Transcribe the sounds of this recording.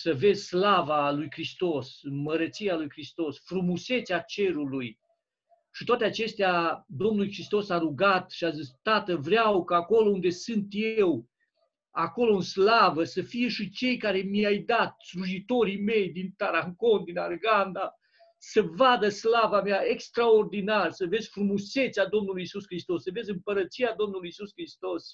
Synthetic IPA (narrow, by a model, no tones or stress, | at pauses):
səve̞zʲslavalujkɾist̪o̞sɨnməɾət̪sijalujkɾist̪o̞sfɾumuse̞t̪sʲat͡ʃe̞ɾuluj | ʃit̪wat̪eat͡ʃe̞st̪ead̪o̞mnulujkɾist̪o̞saɾuɡat̪ʃiazist̪at̪əvɾeawkaːko̞lo̞und̪e̞sɨnt̪je̞w | ako̞lo̞ɨnslavəsəfije̞ʃit͡ʃe̞jkaɾe̞miajd̪at̪̚sluʒit̪o̞ɾime̞jd̪int̪aɾaŋko̞nd̪inarɡand̪a | səvad̪əslavameaekst̪ɾaord̪inarsəve̞zʲfɾumuse̞t̪sad̪o̞mnulujisuskɾist̪o̞sːəve̞zɨmpəɾət̪sijad̪o̞mnulujisuskɾist̪o̞s